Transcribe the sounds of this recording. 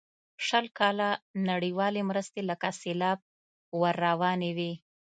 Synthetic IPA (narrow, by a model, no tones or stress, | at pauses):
ʃəlkɑlanaɽiwɑlemɾəst̪eləkaselɑb̚ | waɾːawɑnewi